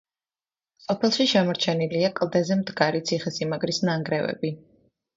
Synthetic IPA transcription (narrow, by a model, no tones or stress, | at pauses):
sɔpʰɛlˠʃiʃɛmɔɾt͡ʃʰɛniliakʼlˠd̪ɛzɛmd̪ɡaɾit̪sʰiχɛsimaɡɾisnaŋɡɾɛvɛ̰bi